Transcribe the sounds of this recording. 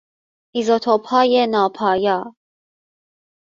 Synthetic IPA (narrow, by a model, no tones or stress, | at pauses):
ʔizot̪ʰopʰɑːjenɑːpʰɒːjɑː